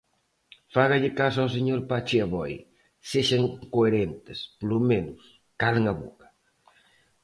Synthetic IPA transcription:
faɣaʎɪkasws̬eɲoɾpat͡ʃɪaβɔj | seʃaŋkoeɾent̪ɪsplumenʊs | kaleŋaβo̰kɐ̥

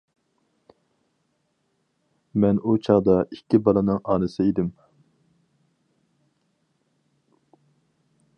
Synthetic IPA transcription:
mɛnut͡ʃʰɑʁd̪ɑʔikʲʰːibɑlˠɨnɨŋɑːnɨsɪid̪ɪm

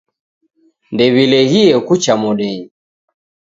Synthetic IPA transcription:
ndɛβilɛɣiɛkut͡ʃamɔɗɛɲi

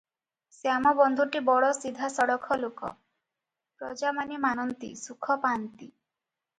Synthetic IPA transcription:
sjamɔbɔnd̪ʱuʈibɔɽɔsid̪ʱasɔɽɔkʰɔlokɔ̰ | pɾɔd͡ʒamanimanɔnt̪ḭsukʰɔpant̪i

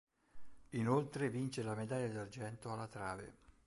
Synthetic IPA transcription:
inolt̪ɾevint͡ʃelamed̪aʎːad̪ard͡ʒɛnt̪oalːat̪ɾaːvḛ

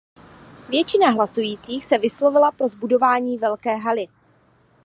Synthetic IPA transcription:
vjɛt͡ʃɪnaɦlasujiːt͡siːxsɛvɪslo̞vɪlapɾo̞zbudo̞vaːɲiːvɛlkɛːɦalɪ

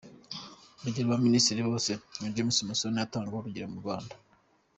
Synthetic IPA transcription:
ɾuɟiɾβaministiɾiβo̞ːsemid͡ʒiemusimasonijataːŋɡiwoɾuɟiɾamuβaːnda

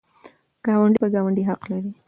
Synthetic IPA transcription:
ɡ̥ɑwaɳɖipəɡɑwaɳɖiɦaqlaɾi

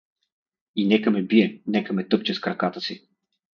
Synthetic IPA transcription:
inɛkɐmɛbiɛnɛkɐmɛt̪ɤp̚t͡ʃɛskɾɐkat̪əsi

